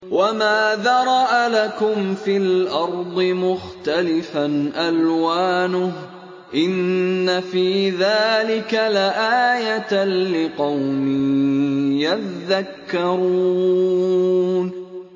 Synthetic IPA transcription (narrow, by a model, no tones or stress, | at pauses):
wamaːðaɾˤɑʔalakʊmfilʔɑɾˤd̪ˤɨmʊxt̪alɪfanʔalwaːnʊh | ʔɪnːafiːðaːlɪkalaʔaːjat̪alɪqɑwmɪ | jaðːakːɑɾu | n